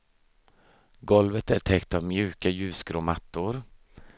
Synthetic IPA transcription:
ɡɔlvət̪æʈʰɛkt̪avmjʉ̟ːkajʉ̟ːskɾoːmat̪ːʊɾ

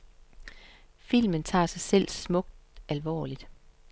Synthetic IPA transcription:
fil̰mənt͡sʰɑ̰̈ːsɑ̈ɪsel̰smɔ̽ɡ̥̚d̥ælʋɒ̰ːlid̥

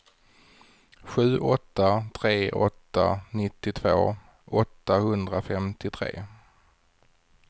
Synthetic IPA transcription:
ɧʉ̟ːʔɔt̪ːat̪ʰɾeːʔɔt̪ːa̰nɪt̪ːɪt̪ʰvo̰ː | ʔɔt̪ːahɵnd̪ɾafɛmt̪ɪt̪ʰɾḛː

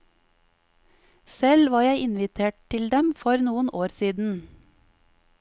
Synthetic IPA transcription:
sɛlʋɑːɾjæɪʔɪnʋɪt̪ʰeːʈ̚t̪ʰɪld̪ɛmfɔɾnuːənʔoːɾsiːd̪n̩

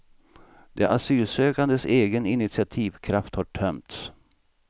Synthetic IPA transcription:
d̪ḛːʔasyːlsøːkand̪əseːɡənɪnɪt̪sɪat̪ʰiːvkʰɾaft̪hɑʈʰœmt̪s

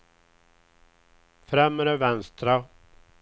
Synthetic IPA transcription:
fɾɛmːəɾəvɛnst̪ɾa

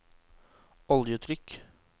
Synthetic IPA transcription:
ɔljəʉːt̪ʰɾʏk

